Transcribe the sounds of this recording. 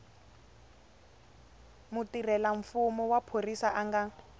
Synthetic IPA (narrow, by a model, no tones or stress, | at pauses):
mutirɛlaɱ̩fumɔwapʰorisaʔaŋɡa